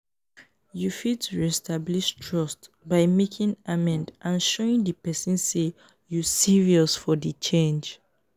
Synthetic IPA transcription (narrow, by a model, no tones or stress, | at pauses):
jufitɹistʰabliʃtʰɹɔst | baɪmekʰĩŋamɛ̃ndʔãnʃoĩŋdəpɛsĩnse | jusiɹiɔsfɔðət͡ʃẽnd͡ʒ